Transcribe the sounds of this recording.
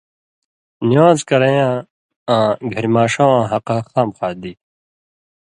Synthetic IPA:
niwãːzkɐɾɐjãː | ãːɡʱɐɾmaːʂãːãːɦɐqaqt̪aːmxaːd̪iː

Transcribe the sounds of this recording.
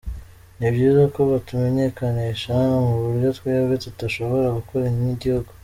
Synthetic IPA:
nibɟiːzako̞βatume̞ɲe̞kaniʃamuβuɾjo̞twiaɡetutaʃo̞βo̞ɾaɡukoɾaɲiniɟihuɡo

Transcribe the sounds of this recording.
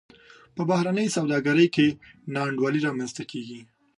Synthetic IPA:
pəbahɾanəjsawd̪ɑɡaɾəjkenɑɳɖwɑliɾɑmanzt̪akʰeɡi

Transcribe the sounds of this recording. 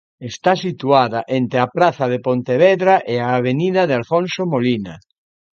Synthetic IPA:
est̪asit̪uaðaʔent̪ɾeapɾaθaðepont̪eβeðɾaʔeaːβ̞eniðaðealfõnsomolina

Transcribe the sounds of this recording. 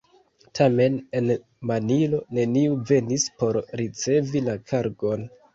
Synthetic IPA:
tʰame̞ne̞n | manilo̞ne̞niuve̞nispo̞ɾɾit͡se̞vilakʰaɾɡo̞n

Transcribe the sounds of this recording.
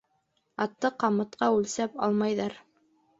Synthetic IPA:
ɑt̪ːɤqɑmɤ̆t̪qɑʉlsæpɑ̰lˠmɑjðɑɾ

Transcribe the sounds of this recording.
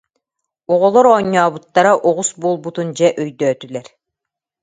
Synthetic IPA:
ɔʁɔlˠɔɾɔɲːaːbut̪ːaɾaʔɔʁusbuːlˠbut̪und͡ʑɛʔyjd̪œːt̪ylɛɾ

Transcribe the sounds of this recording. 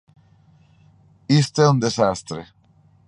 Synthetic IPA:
ist̪eund̪esast̪ɾe

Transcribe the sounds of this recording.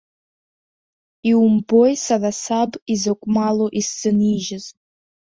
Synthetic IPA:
iwumbojsanasabizokʷʼmaloʔist͡sʼɨniʒɪz

